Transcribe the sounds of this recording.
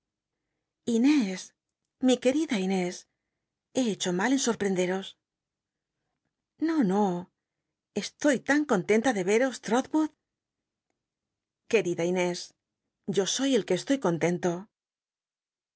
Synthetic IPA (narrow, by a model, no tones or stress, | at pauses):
ine̞s | mike̞ɾiðaine̞s | e̞et͡ʃo̞male̞nso̞ɾpɾe̞nd̪e̞ɾo̞s | no̞no̞ | e̞st̪o̞jt̪aŋko̞nt̪e̞nt̪aðe̞βe̞ɾo̞st̪ɾoðβuð | ke̞ɾiðaine̞s | ɟ͡ʝo̞so̞je̞lke̞ːst̪o̞jko̞nt̪e̞nt̪o̞